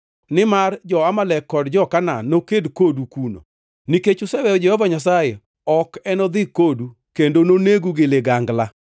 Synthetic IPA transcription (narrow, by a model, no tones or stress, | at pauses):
nɪmard͡ʒɔamalɛkːɔdd͡ʒɔkananokedkodukuno̰ | niket͡ʃʊsɛwɛd͡ʒɛhɔvaɲas̬aje | ɔkɛnɔd̪ɪkodu | kendononeɡuɡɪleɡaŋɡla